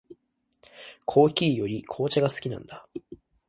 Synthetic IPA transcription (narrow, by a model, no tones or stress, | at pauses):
kʰo̞ːkʲiːjo̞ɾʲikʰo̞ːt͡ɕaɡasɨ̥kʲinã̰nd̪a